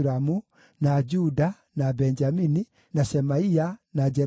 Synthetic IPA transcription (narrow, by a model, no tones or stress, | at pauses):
ɾamu | nad͡ʒuda | nabɛɲd͡ʒamini | naʃɛmaianad͡ʒɛ